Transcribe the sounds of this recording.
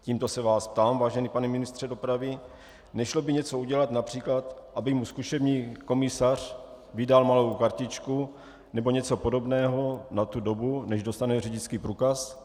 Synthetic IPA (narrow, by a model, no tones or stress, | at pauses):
ciːmt̪o̞sɛvaːsp̚t̪aːmvaːʒɛniːpanɛmɪnɪst̪r̥ɛdo̞pɾavɪ | nɛʃlobɪɲɛt͡so̞uɟɛlat̪napr̝̥iːklat̪ʔabɪmuskuʃɛbɲiːko̞mɪsar̝̥ | vɪdalmalowkaɾcɪt͡ʃku | nɛboɲɛt͡so̞podo̞bnɛːɦo̞nat̪udo̞bunɛʒdo̞st̪anɛrɛɟɪt͡skiːpɾuːkas